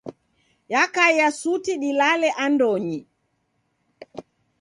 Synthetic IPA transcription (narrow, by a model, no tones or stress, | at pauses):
jakajasutiɗilalɛʔandɔɲi